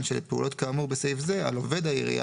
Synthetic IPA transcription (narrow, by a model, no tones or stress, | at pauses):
nʃelpeṵlʔo̞t̪kaːmuʁbesejfzea̰love̞d̪aḭʁḭa̰